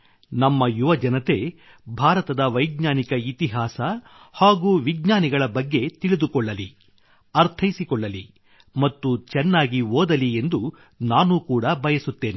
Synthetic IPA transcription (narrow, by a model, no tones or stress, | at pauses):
nɐmːɐjuʋɐd͡ʒɐnɐt̪e̞ | bʱaːɾɐt̪ɐd̪ɐʋɐjɡɲaːnikɐit̪iɦaːsɐ | haːɡuːʋiɡɲaːniɡɐɭɐbɐɡːe̞t̪iɭid̪ukɔɭːɐli | ɐɾt̪ʰɐjisikɔɭːɐli | mɐt̪ːut͡ʃɛnːaːɡioːd̪ɐlie̞nd̪u | naːnuːkuːɽɐbʱɐjɐsut̪ːe̞ːne